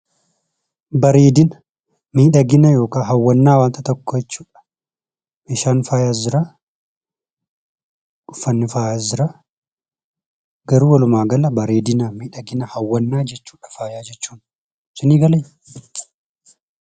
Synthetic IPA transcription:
bɐɾeːd̪ɪnɐ | miːᶑɐɡɪnɐjo̞ːkaːɦɐwːɐnːaːwaːnt̪ɐt̪ɔkːɔjɛt͡ʃːuːᶑɐ̥ | mɪʃaːnfaːjaːzɪɾa | ʊfɐnːɪfaːjazɪɾa | ɡɐɾuːwɐlʊmaːɡɐlɐbɐɾeːd̪ɪnɐmiːᶑɐɡɪnɐhɐwːɐnːaːd͡ʒɛt͡ʃːu̥ːᶑɐ̥faːjaːd͡ʒɛt͡ʃːuːn | sɪniːɡɐlɛ

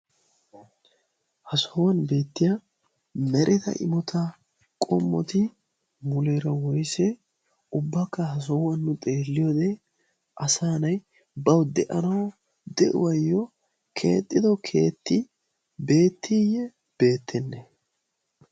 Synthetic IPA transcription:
hɐsɔwɐnbe̞ːt̪ːɪjɐ | mɛɾʔɪd̪ɐ̰ʔɪ̰mɔt̪ʰɐ | kʼɔmːɔ̰t̪ɪ | mʊleːɾɐwɔjsɛ | ʊbːɐkːɐhɐs̬ɔwɐnːʊt̪ʼe̞ːlːɪjoːd̪ɛ | ʔɐsaːnɐj | bɐwd̪ɛʔɐnɐw | d̪ɛʔʊ̰wɐjːɔ | kʰe̞̰ːt̪ʼːɪd̪ɔkʰe̞ːt̪ːɪ | be̞ːt̪ʰːijɛ | b̥e̞ːt̪ʰːɛnːɛ

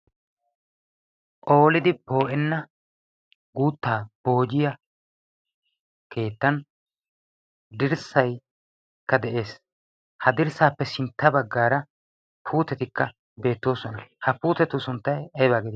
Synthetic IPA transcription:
ʔʼo̞ːlɪd̪ɪbo̞ːʔɛnːɐ | ɡuːt̪ːaːb̥o̞ːd͡ʒɪjɐ | ke̞ːt̪ːɐn | d̪ɪɾsɐj | kːɐd̪ɛʔe̞ːs | hɐd̪ɪɾsaːpːɛsɪnt̪ːɐbɐɡːaːɾɐ | pʰuːt̪ɛt̪ɪkːɐ | be̞ːt̪ːo̞ːsɔnɐhɐpuːt̪ɛt̪ːʊsʊnt̪ːɐjɐjbaːɡɛd̪

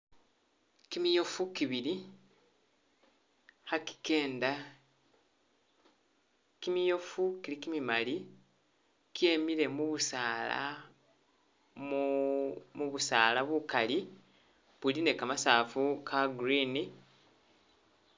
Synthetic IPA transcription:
kimijofukiβili | haki̥ke̞ːnda | kimijofukilikimimali | kje̞miɾe̞muβusaːla̰ | muβusaːlaβukali | βuline̞kamasaːfukʰaɡuɾiːni

